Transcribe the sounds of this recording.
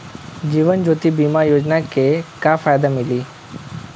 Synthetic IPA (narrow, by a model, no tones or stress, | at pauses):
d͡ʒiːʋənd͡ʒoːt̪ibiːmaɾjoːd͡ʒnakekafaːjd̪amɪliː